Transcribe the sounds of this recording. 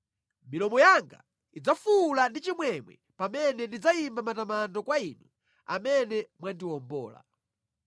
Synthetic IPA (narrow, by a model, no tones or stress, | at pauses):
milɔmɔjaŋɡa̰ | id͡zafulandit͡ʃimwɛmwɛ̰ | pamɛnɛndid͡zaimbamatamandɔkwaiːnu | a̰mɛnɛmwandiwɔmbɔ̰ːla̰